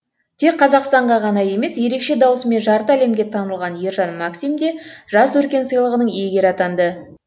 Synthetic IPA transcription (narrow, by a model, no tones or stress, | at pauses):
t̪ʰe̞kqʰːɑzɑqst̪ɑɴʁɑʁɑnɑje̞me̞sje̞ɾe̞kʃe̞d̪ɑwəsəme̞nʒɑɾt̪əæle̞mɡʲe̞t̪ʰɑnəlˠʁɑnjeɾʒɑnmaksimd̪e̞ʒɑswɵɾkʲe̞nsəjlˠəʁənəɴeɡʲe̞ɾɑt̪ɑnd̪ə